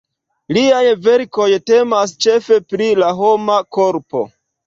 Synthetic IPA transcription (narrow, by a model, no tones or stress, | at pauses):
liajve̞ɾko̞jte̞mast͡ʃe̞fe̞pɾilaɦo̞mako̞ɾpo̞̰